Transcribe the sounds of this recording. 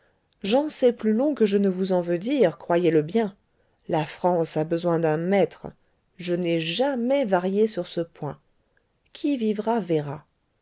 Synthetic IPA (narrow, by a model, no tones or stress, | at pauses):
ʒɑ̃sɛplylɔ̃kəʒənəvuzɑ̃vød̪iʁkχwajeləbjɛ̃ | lafχɑ̃sabəzwɛ̃d̪ɛ̃mɛt̪χə | ʒənɛʒamɛvaʁjesyʁsəpwɛ̃ | kʲʰivivʁavɛʁa